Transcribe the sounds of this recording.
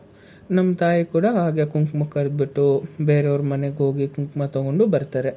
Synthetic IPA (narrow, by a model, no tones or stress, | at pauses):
nɐmːɐt̪aːjikuːɽɐɦaːɡe̞kuŋkmakɐɾd̪̚biʈːubeːɾeoɾumɐneɡeɦo̞ːɡikuŋkmat̪ɐɡo̞ɳɖubɐɾt̪aːɾe